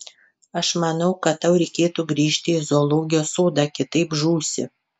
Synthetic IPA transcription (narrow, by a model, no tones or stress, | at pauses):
ɐʃmɐnɐʊkɐt̪t̪ːɐʊɾʲɛɪkʲeːt̪uɡɾʲiːʃʲt̪ʲɪɪzoːlˠoːɡʲɪjoːsoːd̪ɑːkʲɪt̪ɐɪpʒuːsʲɪ̰